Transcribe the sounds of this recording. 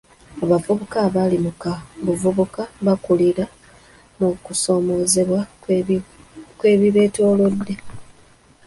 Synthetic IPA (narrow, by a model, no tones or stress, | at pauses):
aβavuβukaːβalimukaβuvuβukaβakuliɾa | mukuso̞ːmo̞ːze̞βwa | kwe̞ːβiβe̞ːto̞ːlo̞dːe̞